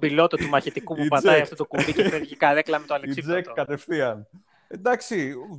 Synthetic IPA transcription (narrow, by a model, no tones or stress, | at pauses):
bilo̞t̪ot̪umɐçet̪ikupupɐd̪ɐiɐft̪ot̪okubiceneɾʝikɐðeklɐmet̪oɐlesizekkɐt̪efθiɐn | d̪ɐksi